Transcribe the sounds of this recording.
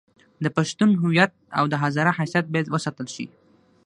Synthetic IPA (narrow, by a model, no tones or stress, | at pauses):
d̪əpaʃt̪unɦʊwijat̪̚a̰wd̪əɦazɑɾahasjat̪̚bajad̪wəsat̪əlʃḭ